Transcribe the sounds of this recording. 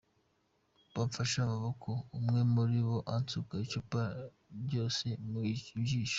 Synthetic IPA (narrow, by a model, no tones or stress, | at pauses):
β̥aɱfaʃamaβokʰoumŋe̞muɾiβo̞ʔant͡sukaicopa | ɾɟo̞ːse̞muicibjiːʃḁ